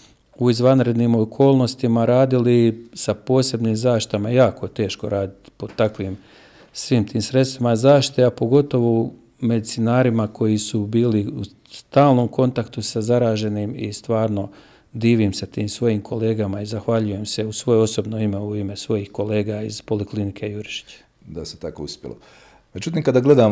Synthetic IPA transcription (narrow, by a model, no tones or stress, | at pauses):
uizʋanɾe̞d̪nimo̞kʰo̞ːlˠno̞st̪imaɾaːd̪ilisapo̞ːse̞bniːmzaːʃt̪i̥t̪amaejaːko̞et̪e̞ːʃko̞ɾaːd̪it̪po̞t̪akʋiːm | sʋiːmt̪ʰiːmsɾe̞t̪st̪ʋimazaːʃti̥t̪eapo̞ɡo̞t̪o̞ʋo | me̞d̪it̪sinaːɾimakʰo̞jisubiːliu | st̪aːlˠno̞mko̞nt̪akt̪usazaɾaːʒe̞niːmist̪ʋaːɾno̞ | d̪iːʋimsat̪iːmsʋo̞jiːmkʰo̞le̞ːɡamaizaxʋaʎuje̞mse̞usʋo̞joo̞so̞bno̞ime̞uime̞sʋo̞jihko̞le̞ːɡaiz̥po̞liklinikʰe̞juɾiʃi̥t͡ɕe̥ | d̪aset̪akouspʲjḛlo̰ | med͡ʒut̪̬iːmkad̪aɡle̞d̪a